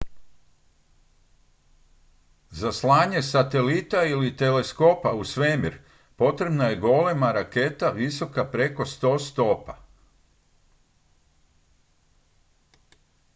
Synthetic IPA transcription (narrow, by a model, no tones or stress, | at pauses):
zaslˠaːɲe̞sat̪e̞lit̪ailit̪e̞le̞sko̞pausʋemiɾ | po̞t̪ɾe̞bnaje̞ɡo̞le̞maɾake̞t̪aʋiso̞kapɾe̞ko̞st̪o̞ːst̪o̞pa